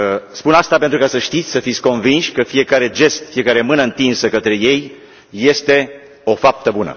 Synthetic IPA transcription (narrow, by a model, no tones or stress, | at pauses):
spunast̪apent̪ɾukasəʃt̪it̪sʲsəfit̪sʲko̞nvinʃʲkəfije̞kaɾe̞d͡ʒe̞st̪fije̞kaɾe̞mɨnəɨnt̪insəkət̪ɾe̞je̞jː | e̞st̪e̞ | o̞fap̚t̪əbunə̰